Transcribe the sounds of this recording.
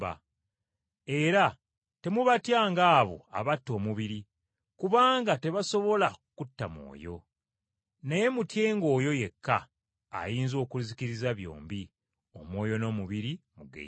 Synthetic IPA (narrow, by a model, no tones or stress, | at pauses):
ba̰ | e̞ɾa | te̞muβatjaːŋɡaːβo̞̰a̰βatːo̞ːmuβiɾi | kuβaːŋɡate̞βaso̞βo̞lakutːamwo̰ːjo̞̰ | neje̞mutje̞ːŋɡo̞ːjo̞je̞kːa̰ː | jiːnzo̞ːkulizikiɾizaβjo̞̰ːmbi | o̞mwo̞ːjo̞no̞ːmuβiɾimuɡḛ